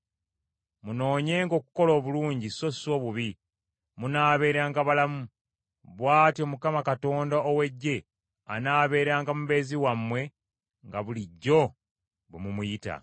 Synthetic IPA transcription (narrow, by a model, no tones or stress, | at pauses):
muno̞ːɲe̞ːŋɡo̞ːku̥ko̞lo̞ːβuluːɲɟiso̞so̞ːβuβi | munaːβe̞ːɾaːŋɡaβalamu | βwaːtio̞mukamakato̞ːndaowe̞ɟːe̞ | anaːβe̞ːɾaːŋɡamuβe̞ːziwamːwe̞ | ŋɡaβuliɟːo̞ | βumumujita̰